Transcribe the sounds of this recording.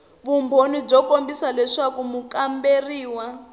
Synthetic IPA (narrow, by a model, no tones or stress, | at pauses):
βumbʱonib͡ʐɔkombisalɛʂakumukamberiːwa